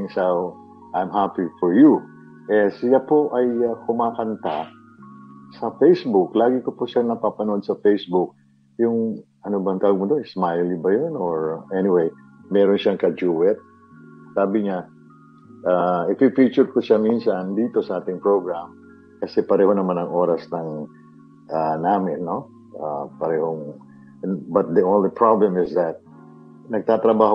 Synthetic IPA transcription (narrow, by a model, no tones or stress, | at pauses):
ŋsaw | ʔajmɦapifɔɹju | ʔɛsɪjapoʔɐjakʊmaːkɐnt̪a | sɐfejsbʊklaːɡɪkopʊʃanɐpapɐnoʔod̪̚sɐfejsbʊk̚ | jʊŋʔɐnobɐŋt̪aːwʊɡ̚mʊd̪oɪsmajlʊbɐjonoɹʔɛnɪwej | mɛːɾonʃaŋkɐd͡ʒuːwɛt̪̚ | saːbɪŋa | ʔaːɪfifit͡ʃʊɹkʊʃaminsɐnd̪iːt̪o̞sɐʔaːt̪ɪŋpɹoɡɹam | kɐsɛpɐɾɛːho̞nɐmanɐŋʔo̞ːɾɐsnɐŋ | ʔanaːmɪnːo̞ | ʔa̰pɐɾɛːhoŋ | ɛnbɐt̪̚d̪iʔõnlipɹablɛmɪsd̪ɐt̪̚ | nɐɡ̚t̪aːt̪ɾɐbaːho